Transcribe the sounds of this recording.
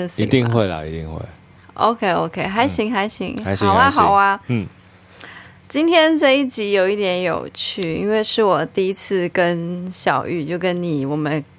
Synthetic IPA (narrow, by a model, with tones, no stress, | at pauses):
ŋsi˧˩t̪i˥˧ŋxwe˥˩ɪlə̰˩i˧˥t̪ḭ˥˨ŋxwḛ˥˩ɪ | ʔo̰˧ʊkʰe˥ɪo˧ʊkʰe˥ɪxa˧˥ɪɕi˧˥ŋxa˧˥ɪɕḭ˧˥ŋa˧˦˨ʊwa˦xɑ˨˩ʊa˧˥˩ | t͡ɕi˥nt̪ʰjɛ˥nt͡sa˥˧ɪi˥˩t͡ɕi˧˥jo˨˩ʊi˥˩t̪jɛ˧˥njo̰˨˩ʊt͡ɕʰy˥˩ḭ˥nwe˥˧ɪʂɻ̩˥˩wɔ˨˩t̪i˥˧i˥t͡sʰɹ̩˥˩kə˦˥nɕjɑ˨˩ʊy˥˧t͡ɕjo˥˩ʊkə˦˥nni˨˩˦wɔ˨˩mə˦n